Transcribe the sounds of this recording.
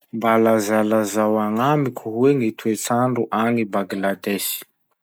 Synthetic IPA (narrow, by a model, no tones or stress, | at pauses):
mbalazalazawaŋamikʰuɦueŋit̪ʰuet͡saɳɖ͡ʐuʔaŋibaɡilad̪ɛʃi̥